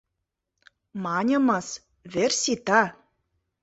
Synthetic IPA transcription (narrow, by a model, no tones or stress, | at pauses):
mɑnʲɤ̆mɤ̆s | βersʲit̪ɑ